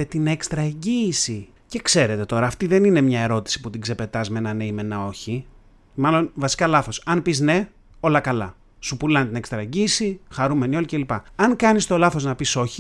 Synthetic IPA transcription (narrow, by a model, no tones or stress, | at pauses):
et̪ine̞kst̪ɾɐeɲɟiːsi | ce̞kse̞ɾe̞t̪e̞t̪o̞ɾɐːft̪iðe̞nine̞mɲɐe̞ɾo̞t̪i̥si̥put̪iɡze̞pe̞t̪ɐzme̞nɐneime̞nɐo̞çi | mɐlo̞nvɐsi̥kɐlɐθo̞sɐnpizne̞ | o̞lɐkɐlɐ̰ | supulɐnt̪inekst̪ɾɐeɲɟiːsixɐɾume̞nio̞lice̞lipɐɐŋkɐnist̪o̞lɐθo̞znɐpiso̞çi